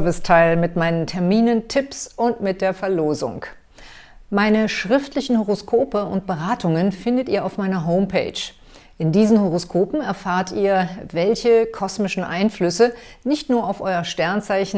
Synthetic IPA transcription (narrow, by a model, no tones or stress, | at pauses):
vɪstʰaɪlmɪtmaɪnəntʰɛɐmiːnəntʰɪpsʊntmɪt̚d̥eːɐfɛɐloːzʊ̰ŋk | maɪnəʃʁ̥ɪftlɪçn̩hoʁ̞oskʰoːpəʊ̰ntb̥əʁaːtʊŋənfɪndətiːɐaʊfmaɪnɐɦoʊmpʰḛɪt͡ʃ | ʔɪndiːzn̩hoʁ̞oskʰoːpm̩ɛɐfaːɐtḭːɐvɛlçəkʰɔsmɪʃn̩ʔa̰ɪnflʏsə | nɪçtnuːɐaʊfʔɔʏɐʃtɛɐnt͡saɪçn̩